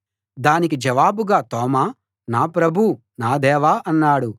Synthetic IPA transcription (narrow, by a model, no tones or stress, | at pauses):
d̪aːnikid͡ʒɐʋaːbuɡaːt̪ɔːmaː | naːpɾɐbʱu | naːd̪ɛːʋaːʔɐnːaːɽu